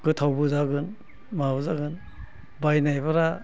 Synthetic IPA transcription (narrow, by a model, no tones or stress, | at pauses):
kɯtʰawbɯzaɡɯn | mabuzaɡɯn | bajnajbaɾa